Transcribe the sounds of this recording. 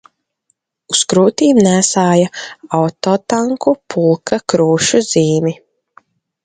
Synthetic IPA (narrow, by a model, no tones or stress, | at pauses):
uskɾuːt̪iːmnæːsaːjaawt̪ɔːt̪aŋkupʰulˠkʰakɾuːʃuziːmi